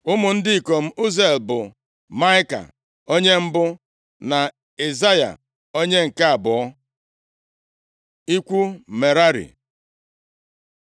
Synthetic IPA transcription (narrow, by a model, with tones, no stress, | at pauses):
ʊ˦mʊ˨n̩˦dɪ˦i˨ko˨m̩˦u˦ze˨lbʊ˨ | ma˦ɪ˦ka̰˨ | o˦ɲe˦m̩˦bʊ˦ | na˨ | e˨za˦ja̰˨ | o˦ɲe˦ŋ̩˨ka˦a˨bɔ˨ɔ˦ | i˦kʷu˦me˨ɾa˦ɾḭ˨